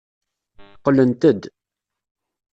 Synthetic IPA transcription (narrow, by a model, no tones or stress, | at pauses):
θqːlənt̪əd̪